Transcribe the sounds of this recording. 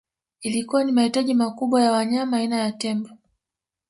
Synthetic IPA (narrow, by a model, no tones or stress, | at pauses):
ilikuwanimahitaʄimakuɓwajawaɲamaːinajatɛmbɔ